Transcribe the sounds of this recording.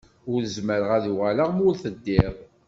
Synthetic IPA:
ʊɾəzməɾʁæðuʁalaʁmʊlθəd̪ːɪʁˤ

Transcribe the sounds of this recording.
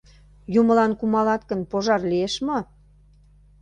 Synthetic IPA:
jumə̆lɑnkumɑlɑt̪kə̆npoʒɑrlieʃmo

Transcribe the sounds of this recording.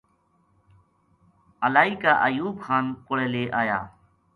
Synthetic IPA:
əlaːiːkaːʔəjuːbxʰaːnkʊɽeːleːʔaːja̰ː

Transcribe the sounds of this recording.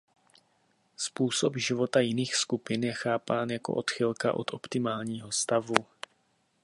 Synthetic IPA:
spuːsopʒɪvo̞t̪ajɪniːxskupɪnjɛxaːpaːnjako̞̰ʔo̞t̪xɪlka̰ʔo̞̰t̪ʔo̞pt̪ɪmaːlɲiːɦo̞st̪avu

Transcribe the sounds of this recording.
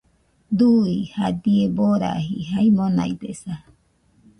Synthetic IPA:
d̪uihad̪ieboɾa̰ɦiɦaimona̰id̪esa

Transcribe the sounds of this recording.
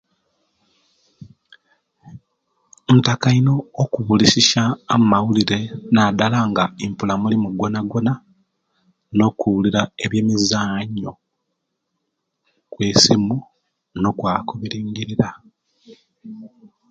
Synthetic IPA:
ntakaino̞ːkuβulisiʃaːmumawuliɾe̞naːdalaŋɡaimpulamulimuɡo̞naɡo̞na | no̞kuuliɾae̞βje̞ːmizaːɲːo̞ | kwe̞ːsimu | no̞kwaːkoβiɾiːɲɟiɾiɾa

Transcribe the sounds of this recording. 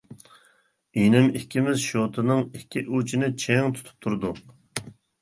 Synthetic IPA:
inɪmikʲʰːimɪzʃot̪ʰɨnɨŋikʲʰːiʔut͡ʃʰinɪt͡ʃʰeŋt̪ʰu̥t̪ʰu̥p̚t̪ʰuɾd̪uu

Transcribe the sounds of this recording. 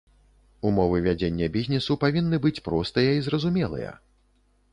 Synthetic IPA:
umɔvɨvʲad͡zʲenʲːɐbʲizʲnʲɛsupavʲinːɨbɨt͡sʲpɾɔst̪ɨjɐizɾɐzumʲɛlˠɨ̰jɐ̰

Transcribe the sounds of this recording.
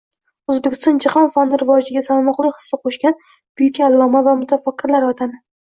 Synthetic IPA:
ozbekʲɪ̥st̪ɒnd͡ʒɪχɒnfanːɪɾɪvɒd͡ʒɪɡʲasalˠmɒqlˠɪjχɨ̥sːɪqʰoʃɡʲan | b̥ʊjɪkʲaalˠːɒmavamʊt̪ʰafakʲːɪɾlaɾɒt̪ʰanɪ

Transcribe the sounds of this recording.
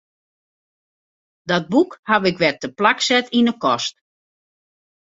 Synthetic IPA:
dɔt̚bukhaʋɪkʋɛtəplaksɛtinəkɔst

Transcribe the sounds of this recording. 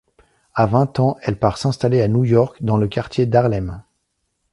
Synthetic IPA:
avɛ̃t̪ɑ̃ɛlpaʁsɛ̃st̪aleanujɔʁkd̪ɑ̃ləkaʁt̪jed̪aʁlɛm

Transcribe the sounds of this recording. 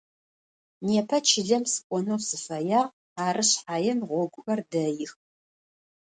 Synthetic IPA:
neːpʰɐt͡ʃʰɪɮɐmsɨ̥kʷʼɔnɐwsɨfɐjaːʁ | aːrɨɕħaːjɛmʁʷɔɡʷʊʔɐrdɐjɪx

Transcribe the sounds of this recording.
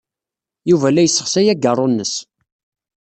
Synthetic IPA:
juvælæjəsːəχsæjæɡərˤːonːəs

